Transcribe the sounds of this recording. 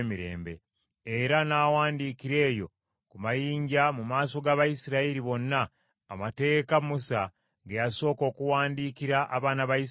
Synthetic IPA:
miɾe̞̰ːmbe̞̰ | eɾanaːwaːndiːkiɾe̞ːjo̞̰ | kumajiːɲɟamumaːso̞ɡaβajisiɾaiɾiβo̞nːaː | mate̞ːkamusa | ɡejaso̞ːko̞ːkuwaːndiːkiɾaʔaβaːnaβajis

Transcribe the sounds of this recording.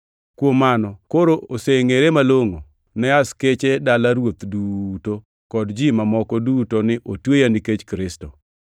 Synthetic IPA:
kwomanɔkoɾooseŋeɾemaloŋo | nɛasket͡ʃedalaɾwot̪duto | kɔdd͡ʒɪmamɔkɔdutonɪʔotwejaniket͡ʃkɾɪsto

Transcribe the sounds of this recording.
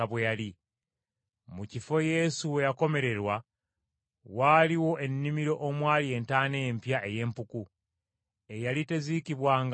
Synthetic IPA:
aβwejali | mucifo̞je̞suwe̞jako̞me̞ɾe̞ɾwa | waːliwo̞ʔe̞nːimiɾo̞ʔomwaːlie̞ntaːne̞jempjaʔe̞je̞ːmpuku | e̞jalite̞zikiβwaːŋɡ

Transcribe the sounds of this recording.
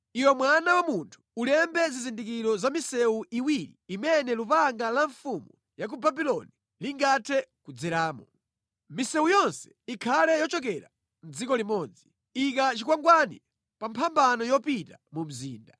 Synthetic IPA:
iwɛmwanawamuntʰu̥ulɛmbɛzizindikiɾɔzamisɛuiwiɾḭːmɛnɛlupaŋɡalaɱfumu | jak̬ubabilɔni | liŋɡatʰɛkud͡zɛɾaːmɔ | misɛujɔnsɛ̥ikʰalɛjɔt͡ʃɔkɛɾa̰ | n̩d͡zikɔlimɔːd͡zi | ik̬at͡ʃikwaŋɡwanḭ | pampʰambanɔjɔpitamum̩zḭːnda

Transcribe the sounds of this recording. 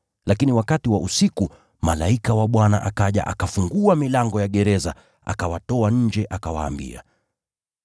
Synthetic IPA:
lakiniwakatiwaʔusiku | malaikawaɓwana̰ʔakaʄa̰ʔakafuŋɡuamilaŋɡɔjaɠɛɾɛza | a̰kawatɔaɲ̩d͡ʒɛʔakawa̰ːmbḭa̰

